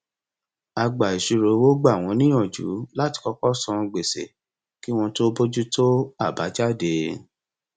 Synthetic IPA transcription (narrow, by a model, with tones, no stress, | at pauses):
a˧ɡ͡ba˨i˨ʃu˨˧ɾo˧wo˦ɡ͡ba˦˨w̃ɔ̃˧nĩ˦j̃ɔ̃˦˨d͡ʒṵ˨˦la˦ti̥˧kɔ˧kɔ˦sɔ̃˧ɡ͡be˨sḛ˨ | ki˦w̃ɔ̃˧to˦bo˦d͡ʒu˦to˦a˦˨ba˨˦d͡ʒa˦˨de˧